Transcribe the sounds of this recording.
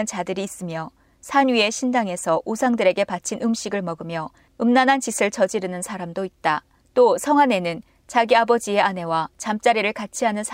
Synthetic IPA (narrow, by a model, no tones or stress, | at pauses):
ɯnt͡ɕadɯɾiːs͈ɯmjʌ | sʰaɲɥie̞ɕʰindaŋe̞sʰʌʔusʰaŋdɯɾe̞ɡe̞pat͡ɕʰinɯmɕʰiɡɯɭmʌɡɯmjʌ | ɯmnanɦant͡ɕisʰɯɭt͡ɕʌd͡ʑiɾɯnɯnsʰaɾamdoit̚t͈a | t͈osʰʌŋɦwane̞nɯn | t͡ɕaɡiabʌd͡ʑie̞ʔane̞wat͡ɕamt͡ɕ͈aɾiɾɯɭkat͡ɕʰiɦanɯnsʰ